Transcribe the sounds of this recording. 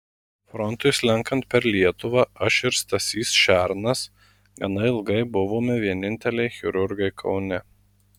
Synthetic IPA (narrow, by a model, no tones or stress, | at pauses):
fɾɔnt̪ʊjslʲɛŋkɐnt̪̚pʲɛɾlʲiɛt̪ʊʋɑʔɐʃɪɾst̪ɐsʲiːsʃʲæɾnɐs | ɡɐnɐɪɪlˠɡɐɪbʊʋoːmʲɪʋʲiɛnʲɪnʲt̪ʲɛlʲɛɪxʲɪɾʊɾɡɐɪkʰɒʊnʲɛ